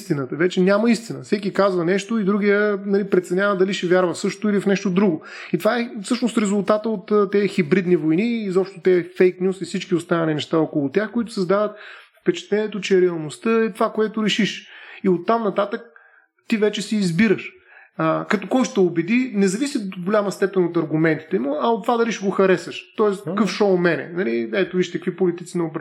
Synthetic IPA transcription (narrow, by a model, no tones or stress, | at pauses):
st̪inət̪əvɛt͡ʃɛnʲamɐist̪inəfsɛk̬ʲikazvənɛʃt̪oid̪ɾuɡijənɐlipɾɛt̪sɛnʲavəd̪ɐliʃɛvʲjaɾvəfsɤʃt̪ʊilifnɛʃt̪od̪ɾuɡʊ | it̪ovaɛfsɤʃnost̪ɾɛzʊlˠt̪at̪əot̪ːt̪ːɛxibɾid̪nivojniːzɔpʃt̪ʊt̪ɛfɛjknʲjusifsit͡ʃkiʊst̪anəlinɛʃt̪aɔkʊlˠʊt̪ʲjaxkʊit̪ʊ̥səzd̪avət̪̚fpɛt͡ʃɛ̥t̪lɛnʲiɛt̪ot͡ʃɛɾɛɐlˠnost̪əɛt̪ovakoɛt̪ʊɾɛʃiʃiot̪ːamnɐt̪at̪ək̚ | t̪ivɛt͡ʃɛsiːzbiɾəʃ | əkɐt̪ɔkɔjʃt̪ɛʊbɛd̪inɛzɐvisʲit̪oɡolʲaməst̪ɛpɛnot̪ɐɾɡʊmɛnt̪i̥t̪ɛmuɐot̪ːovad̪ɐliʃɛɡoxɐɾɛsəʃt̪ɔɛst̪kɤfʃɔmɛnɛ̰nɐliɛt̪ʊviʃt̪ɐkvipolit̪it̪sinɐʊbɾ